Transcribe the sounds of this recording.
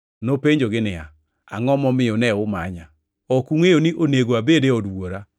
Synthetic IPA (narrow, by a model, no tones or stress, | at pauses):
nopeɲd͡ʒoɡɪnɪa̰ | a̰ŋɔmɔmɪonɛʊma̰ɲa | ɔkuŋejoniʔoneɡoabedeɔdwoɾa